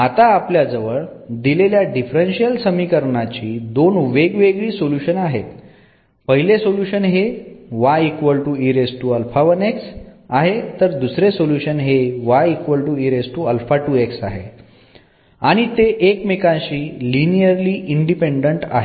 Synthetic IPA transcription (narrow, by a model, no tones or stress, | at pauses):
at̪aːpljad͡zəʋəɭd̪ileljaɖifɾenɕijəlsəmikəɾɳat͡ɕiːd̪onuʋeɡʋeɡɭiːsoljuɕənaɦet̪ | pəɦilesoljuɕənɦeʋaikʋəlʈuiɾesʈuəlfaʋəneksaɦet̪əɾd̪usɾesoljuɕənɦeʋaikʋəlʈuiɾesʈuəlfaʈueksa̰ɦḛ | aɽ̃it̪eʔekmikãɕiːlinijəɾliːʔiɳɖipeɳɖəɳʈa̰ɦe